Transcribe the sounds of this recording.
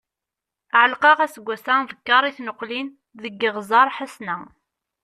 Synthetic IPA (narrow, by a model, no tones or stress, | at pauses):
ʕəlqɑʁæsəɡʷːæsævəkːɑɾˤiθnəqːlin | ðəɡːəʁzɑɾˤħasnæ